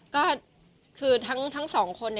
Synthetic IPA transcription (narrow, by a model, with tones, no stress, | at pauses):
kɔː˥˩ | kʰɯː˧t̪ʰa˦˥ŋt̪ʰa˦˥ŋsɔː˩˦ŋkʰo˧nː˩